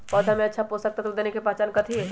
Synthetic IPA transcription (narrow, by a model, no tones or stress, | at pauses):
pɔd̪ʱamẽɐtːʃʰaposɐk̚t̪at̪od̪eːnekepat͡ʃaːnkɐt̪ʰi